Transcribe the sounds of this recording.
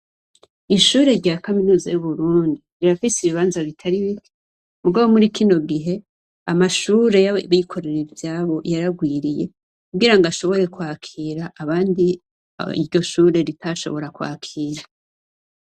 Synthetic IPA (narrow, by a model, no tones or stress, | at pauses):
iʃuːɾe̞ɾɟaːkaminuzajuβuɾuːndiɾiɾafisiβiβaːnzaβitʰaɾiβikʰe̥ | muɡaβo̞muɾikʰino̞ɡiɦe̞ | amaʃuːɾe̞jaβikʰo̞ɾeɾivjaːβo̞jaɾaɡwiːɾije̞ | kuɡiɾaŋɡaʃo̞βo̞ɾe̞kwaːkʰiːɾaʔːβaːndi | ḭɾɟo̞ʃuːɾe̞ɾitʰaʃo̞̰βo̞ɾakwa̰ːkʰiːɾa